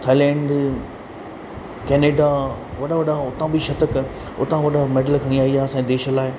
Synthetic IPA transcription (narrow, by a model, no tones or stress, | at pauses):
t̪ʰaːɪlɛ̃ːɳɖ | kɛːneːɖaʋɐɗaʋɐɗaʊt̪ãbʱiʃɐt̪ək | ʊ̰t̪ãʋɐɗameːɖəlkʰɐ̃niaːiaːsãed̪eːʃəlaːɦe